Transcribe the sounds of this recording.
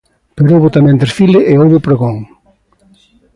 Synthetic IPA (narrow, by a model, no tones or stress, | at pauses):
peɾoβʊt̪amẽnd̪eɾfilɪʔeoβʊpɾeɣoŋ